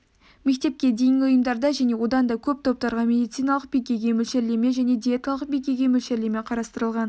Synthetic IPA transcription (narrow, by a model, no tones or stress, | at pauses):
me̞k̚t̪e̞p̚kʲe̞d̪e̞jɪŋʲɡʲɪʊjəmd̪ɑɾd̪ɑʒæne̞wo̞d̪ɑnd̪ɑkʲʰɵp̚t̪ʰo̞p̚t̪ɑɾʁɑmʲe̞d̪ijt̪sijnɑlˠəq̚bejkʲe̞ɡʲe̞mɵlʃeɾle̞me̞ʒæne̞d̪iet̪alˠəq̚bejkʲe̞ɡʲe̞mɵlʃeɾle̞me̞qʰɑɾɑst̪əɾəlˠʁɑn